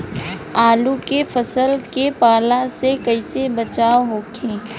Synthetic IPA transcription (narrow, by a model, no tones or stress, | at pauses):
aːlukefʰəsəlkepaːlasekɐɪsebɐt͡ʃaːoɦoːkʰẽː